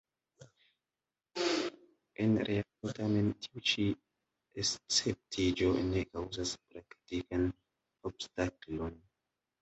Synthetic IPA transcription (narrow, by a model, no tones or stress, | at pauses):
enɾʔeak̚otame̞ntʰiut͡ʃi | est͡sep̚tid͡ʒo̞nekawzaspɾaktikan | obstaklo̞n